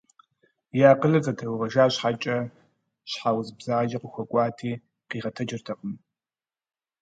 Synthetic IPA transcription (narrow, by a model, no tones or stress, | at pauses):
jaːqəɮɐzɐtʰɐwʁɐʒaːɕħat͡ʃʼɐ | ɕħawzbzaːʒɐqʷʊxʷɔkʷʼɑːtʰiː | qiːʁɐtʰɐd͡ʒɪrtʰɐqʼəm